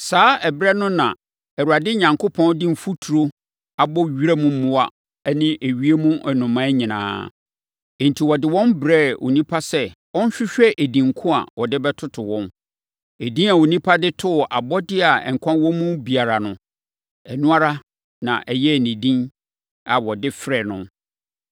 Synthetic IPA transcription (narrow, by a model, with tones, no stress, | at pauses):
saː˦ɛ˨bɾɛ˦nʊ̃˦nã̰˨ | ɛ˨ɾu˨a˨dɪ˦ɲã˨ŋkʰʊ˦pʰɔ̃˦ndɪ̃˦m̩˨fu˦tʰu˨ɾo˦ | a˨bɔ˦ɥi˦ɾɛ˦mũ˦m̩˦mʊ̃˦wa̰˦ | nɪ̃˦ʔe˨ɥi˦e˦mũ˦ʔɛ˨nʊ̃˨mã˦ɲĩ˨nã̰ː˨ | ɛ̃˨n˨tʰi˨wɔ˨dɪ˨wɔ̃˦nbɾɛ˦˨wo̰˨nĩ˦pʰa˦sɛ˦ | wɔ̃˦n˦ɕᶣɪ˦ɕᶣɛ˦ʔe˨dĩ˨ŋ˨kʰʊ̃˦a̰˨wɔ˨dɪ˦bɛ˦tʰʊ˦tʰʊ˨wɔ̃˦n | e˨dĩ˦a˨wo˨nĩ˦pʰa˦dɪ˦tʰʊ˦˨ʔa˨bɔ˦dɪ˦a˨ɛ̰˨ŋ̩˨kʷʰã˦wɔ̃˦mũ˦bi˨a˨ɾa˨nʊ̰̃˨ | ɛ˨nũ˦a˦ɾa˦ | nã̰˨ʔɛ˨jɛ˦˨nĩ˨dĩ˦n | a˨wɔ˨dɪ˦fɾɛ˨nʊ̰̃˦